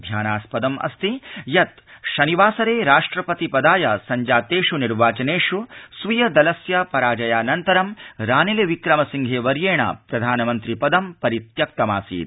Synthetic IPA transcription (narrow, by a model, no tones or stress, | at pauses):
d̪ʱjaːnaːspɐd̪ɐmʔɐ̰st̪ijɐt̪ʃɐniʋaːsɐɾeːɾaːʂʈɾɐpɐt̪ipɐd̪aːjɐsɐɲd͡ʒaːt̪eːʂuniɾʋaːt͡ʃɐneːʂusʋujɐd̪ɐlɐsjapɐɾaːd͡ʒɐjaːnɐnt̪ɐɾɐmɾaːneleʋikɾɐmɐsiŋɡʱeːʋɐɾjeːɳa̰ːpɾɐd̪ʱaːnɐmɐnt̪ɾipɐd̪ɐmpɐɾit̪jɐk̚t̪ɐmaːsḭːt̪̚